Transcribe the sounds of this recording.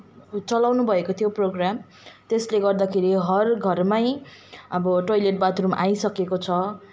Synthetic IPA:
t͡sʌlawnubʱʌekot̪ʰijoproɡram | t̪esleɡʌrd̪akʰeɾiɦʌrɡʱʌrmajʌbʌʈojleʈ̚bat̪ɾumʔajsʌkekot͡sʰʌ

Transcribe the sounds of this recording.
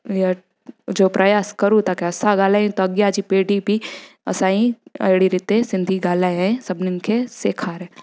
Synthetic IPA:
jɐ | d͡ʒoːpɾɐjaːskɐɾut̪akeɐsaɡaːlaːĩt̪oɐɡjad͡ʒipeːɖibʱiɐ̰saːĩɐ̰ɽiɾɪt̪esɪ̃nd̪ʱiɡaːlaːjẽsɐbnenkʰeseːkʰaːɾe

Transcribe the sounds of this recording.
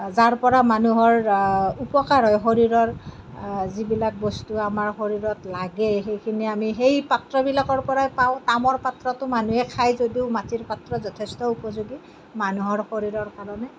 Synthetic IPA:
zaɹpɔɹamanuɦɔɹupɔkaɹɦɔjxoɹiɹɔɹ | zibilak̚bɔstuamaɹxoɹiɹɔtlaɡɛxejkʰiniamiɦejpatɹɔbilakɔɹpɔɹajpaʊ̃tamɔɹpatɹɔtʊmanuɛkʰajzodiʊmatiɹpatɹɔzɔtʰɛstɔupɔzuɡi | manuɦɔɹxoɹiɹɔɹkaɹɔnɛ

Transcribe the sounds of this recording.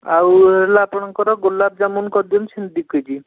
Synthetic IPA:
awelaːpɔɳ̃ɔŋkɔɾɔɡolːab̚d͡ʒamunkɔɾd̪ɔmsʰind̪ikɯd͡ʒi

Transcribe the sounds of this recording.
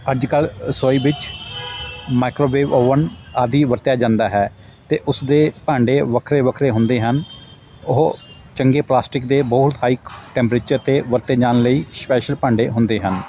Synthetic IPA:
əd͡ʒkəlsoːiːbɪt͡ʃ | maːɪkɾoːbeːʋoːʋənaːd̪iːʋəɾt̪jaːd͡ʒãːnd̪aːɦɛː | t̪eːʔʊsd̪eːpãːɳɖeːʋəkʰɾeːʋəkʰɾeːɦʊnd̪eːɦən | ʊɦ | t͡ʃəŋɡeːplaːsʈɪkd̪eːbɔːt̪haːiːkʈɛ̃ːmpɾeːt͡ʃəɾt̪eːʋəɾt̪eːd͡ʒaːnləiːspɛːʃəlpãːɳɖeːɦʊnd̪eːɦən

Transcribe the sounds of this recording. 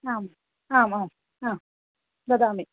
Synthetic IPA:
aːm | aːmaːm | am | d̪ad̪aːmi

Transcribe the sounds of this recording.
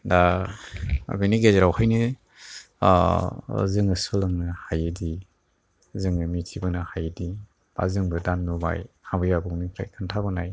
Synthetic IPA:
da | a̰beniɡezeɾawhajnɯ | zɯŋɯsɔlɯŋnɯhajɯdi | zɯŋɯmitʰibɯnahajɯdi | b̥a̰zɯŋbɯdanːuba̰jhambɯjabɔŋnikʰɾa̰jkʰɯntʰabɯnaj

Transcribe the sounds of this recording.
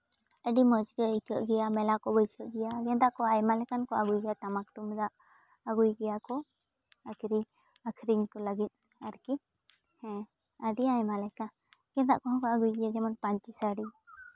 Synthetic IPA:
əɖiməd͡ʒɡəikəʔɡɛjamɛlakɔbəjsəʔɡɛjaɡɛnd̪aʔkɔajmalɛkankɔa̰ɡujɡɛjaʈamak̚t̪umd̪aʔ | əɡujɡɛjakɔ | əkʰɾi | akʰɾiɲkɔləɡit̪̚ˀ | aɾki | hɛ̃ | əɖiajmalɛka | ɡ̥ɛ̃nd̪a̰ʔkɔɦɔ̃kɔaɡujɡɛjad͡ʒɛmɔnpaɲt͡ʃisaɖi

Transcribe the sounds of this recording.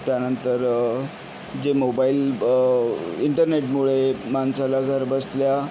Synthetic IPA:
t̪janənt̪əɾ | d͡ʑemobail | iɳʈəɾneʈmuɭemansalaɡʱəɾbəslja

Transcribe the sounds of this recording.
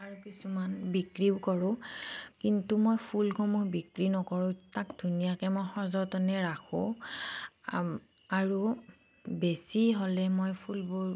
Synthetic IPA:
aɹukisumanbikɹibkɔɹʊ̃kintumojpʰulkʰomuɦbikɹinɔkɔɹʊ̃tak̚dʱunijakɛmojxɔzɔtɔnɛɹakʰʊ̃ | aɹu | besiɦolɛmojpʰulbo

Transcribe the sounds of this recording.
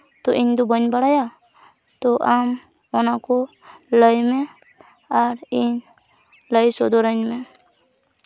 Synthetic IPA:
t̪ɔʔiɲd̪ɔbəɲbaɽaja | t̪ɔʔam | ɔnakɔ | ləjmɛ | aɾiɲ | ləjsɔd̪ɔɾəɲmɛ

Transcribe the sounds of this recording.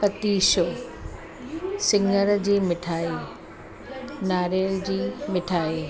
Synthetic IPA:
kɐt̪iːʃo | sɪ̃ŋɡəɾd͡ʑiːmɪʈʰaːe | naːɾeːld͡ʑiːmɪʈʰaːeː

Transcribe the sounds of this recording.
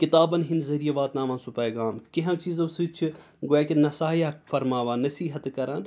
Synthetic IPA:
kit̪aːbɐnɦinzɐɾijɐʋaːt̪naːmãːnsupɐjɡaːmkiɦɐ̃t͡ʃiːzɐsɨt͡ʃʰi | ɡoaːkʲinɐsaːjafɐɾmaːʋaːnɐsiːɦɐt̪kɐɾaːn

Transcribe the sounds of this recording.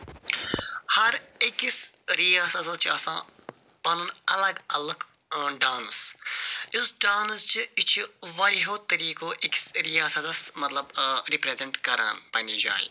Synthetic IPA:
hɐɾikisɾijaːsɐt̪ɐst͡ʃʰiɐsãː | pɐnunɐlɐɡɐlɐɡ | ɖaːns | isɖaːnst͡ʃʰiit͡ʃʰiʋɐliɦoːt̪ɐɾiːkoːʔiki̥sɾijaːsɐt̪ɐsmɐt̪lɐbɾipɾezeɳʈkɐɾa̰ːnpɐnid͡ʒa̰ːjḭ

